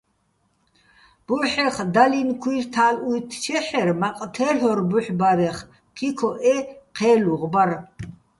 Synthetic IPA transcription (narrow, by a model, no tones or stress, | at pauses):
b̥uħɛχd̪alinkʰwirt̪ʰaːlujt̪ʰt͡ʃʰɛħɛɾmaqʼt̪ʰɛɬɔɾbuħbaɾɛχ | kʰikʰɔʔɛqʰɛːluʁbaɾ